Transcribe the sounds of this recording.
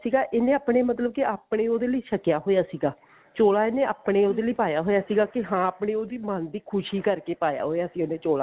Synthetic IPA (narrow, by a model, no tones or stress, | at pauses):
siːɡaːʔeːnẽːaːpɽeːmət̪ləbkɪaːpɽeːoːd̪eːləiːʃʰəkjaːɦoːjaːsiːɡaː | t͡ʃoːlaːeːneːa̰ːpɽeːoːd̪eːləiːpaːjaːɦoːjaːsiːɡaːkɪɦãːaːpɳeːoːd̪iːmənd̪iːkʰʊʃiːkəɾkeːpaːja̰ːɦoːjaːsiːoːneːt͡ʃoːlaː